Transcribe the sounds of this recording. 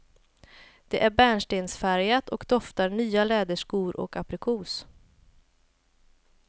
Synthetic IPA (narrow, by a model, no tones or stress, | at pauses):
d̪̥ɛʔæɾbæːɳʂʈeːnsfæɾjat̪ɔkd̪ɔft̪aɾɳyːalɛːd̪əʂkuːɾʔɔ̰kapɾɪkʰuːs